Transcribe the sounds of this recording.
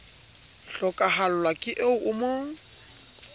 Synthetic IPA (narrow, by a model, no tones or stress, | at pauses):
ɬɔkʼaɦalʊlwakʼɪʔeʊʔʊmoːŋ̩